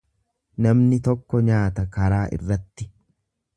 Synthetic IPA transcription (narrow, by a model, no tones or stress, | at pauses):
nɐmnɪt̪ɔkːɔɲaːt̪ɐkɐɾaːʔɪ̰rːɐt̪ːɪ